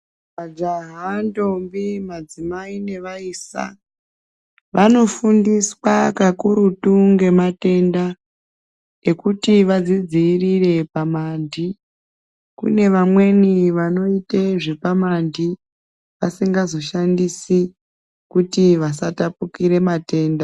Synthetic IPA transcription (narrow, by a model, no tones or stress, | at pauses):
ʋad͡ʒaɦando̞mbimad͡zimaine̞ʋaiːsa̰ | ʋʔano̞fundiswakakuɾutuŋɡe̞mate̞nda | e̞kutiʋad͡zid͡ziːrire̞pamandi | kṵne̞ʋamwe̞niʋano̞iteʐe̞pamandi | ʋasiŋɡazo̞ʃandisi | kutiʋasatapukiɾe̞mate̞ːnda